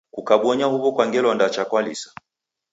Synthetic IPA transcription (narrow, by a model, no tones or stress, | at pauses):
kukaɓwɔɲahuβɔkwaŋɡɛlɔndat͡ʃakwalḭsḁ